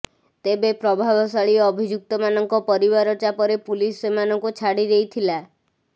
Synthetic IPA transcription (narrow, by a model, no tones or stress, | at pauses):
t̪ebepɾɔbʱabʱɔsaɭiɔbʱid͡ʒuk̚t̪ɔmanɔŋkɔpɔɾibaɾɔt͡ʃapɔɾepulisemanɔŋkut͡ʃʰaɽiɾeit̪ʰila